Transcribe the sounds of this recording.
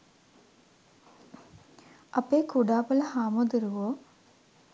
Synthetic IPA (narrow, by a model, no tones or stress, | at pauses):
ɐpːeːkuɽaːpɐlɐhaːmod̪iɾuʋoː